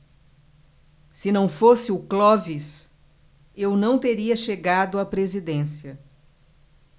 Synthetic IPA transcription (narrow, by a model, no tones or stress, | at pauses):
sɪnɐ̃w̃fosɪʊklɔvis | ewnɐ̃w̃t̪eɾiɐʃeɡad̪ʊapɾezid̪ẽsiɐ